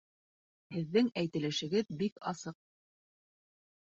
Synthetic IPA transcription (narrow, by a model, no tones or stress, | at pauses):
hɘ̆ðːɘŋæjt̪ɘ̆lɘ̆ʃɘ̆ɡɘðbikɑsɤq̚